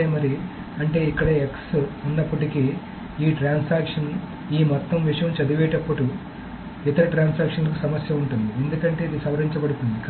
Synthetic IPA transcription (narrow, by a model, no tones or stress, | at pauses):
emɐɾi | ɐɳʈe̞ːikːɐɽɐeksunːɐpːɐʈiki | iːʈɾaːnsaːkʂɐn | iːmɔt̪ːɐmʋiʂɐjɐmt͡ʃɐd̪uʋɛːʈɐpːɐʈu | it̪ɐɾɐʈɾaːnsaːkʂɐnlɐkusɐmɐsjɐuɳʈund̪iend̪ukɐɳʈe̞ːid̪isɐʋɐɾiɲt͡ʃɐbɐɽut̪und̪ik